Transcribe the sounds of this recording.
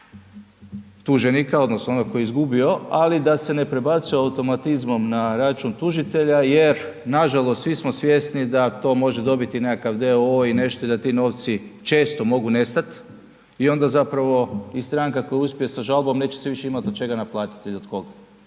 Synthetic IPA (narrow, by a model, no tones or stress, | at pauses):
t̪uʒe̞nikao̞d̪nosnoonoɡko̞jeizɡubio̞alid̪ase̞ne̞pɾe̞bat̪sioaut̪o̞mat̪izmo̞mnaɾat͡ʃunt̪uʒit̪e̞ʎajeɾnaʒalˠost̪sʋismosʋje̞st̪nid̪at̪o̞ːmo̞ʒe̞d̪o̞bit̪ine̞kakaʋd̪eoine̞ʃt̪o̞id̪at̪ino̞ːʋt̪sit͡ʃe̞ːst̪omo̞ɡune̞st̪at̪ | io̞nd̪azapɾaʋo̞ist̪ɾaŋkako̞jauspʲijesaʒalˠbo̞mne̞ːt͡ɕeseʋiʃe̞imat̪ot̪t͡ʃe̞ɡanaplˠaːt̪i̥t̪eʎod̪ko̞ɡa